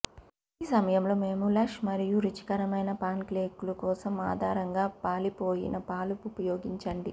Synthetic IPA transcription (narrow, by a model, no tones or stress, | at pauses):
iːsɐmɐjɐmlo̞ːme̞ːmulɐkʂmɐɾijuɾit͡ʃi̥kɐɾɐmɐjnɐpaːnkleːkulukɔːsɐma̰ːd̪ʱaːɾɐŋɡaːpaːlipo̞ːjḭnɐpaːlupupɐjoːɡiɲt͡ʃɐɳɖi